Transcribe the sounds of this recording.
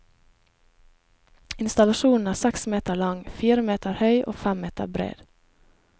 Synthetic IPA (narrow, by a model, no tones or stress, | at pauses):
ɪnst̪ɑlɑʃuːn̩æːsɛksmeːt̪əlɑŋfiːɾəmeːt̪ʰəɾhœʏʔo̰ːfæmeːt̪ə̰ɾbɾḛːd̪̥